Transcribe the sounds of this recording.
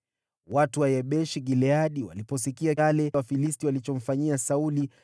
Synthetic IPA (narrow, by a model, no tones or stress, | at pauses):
watuwajɛɓɛʃiɡilɛaɗiwa̰lipɔsikialɛwafilistiwalit͡ʃɔm̩faɲiasauli